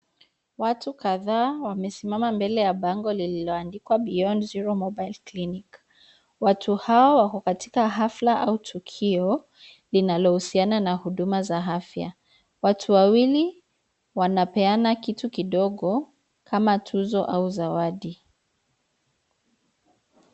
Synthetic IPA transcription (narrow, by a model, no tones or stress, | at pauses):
watukaðaːwamɛsimamambɛlɛjaɓaŋɡɔlililɔandikwaɓiɔnziɾɔmɔbajlklinik | watʰuhawawakɔkati̥kaɦaflaʔautʰukʰiɔ | linalɔhusiananahuɗumazaɦafja̰ | watʰuwawili | wanapɛanakitukiɗɔɠɔ | kʰamatʰuzɔʔauzawaɗi